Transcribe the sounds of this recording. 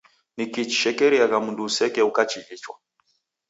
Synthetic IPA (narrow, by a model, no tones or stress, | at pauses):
nikit͡ʃi̥ʃɛkɛɾiakamundusɛkɛukat͡ʃiit͡ʃwa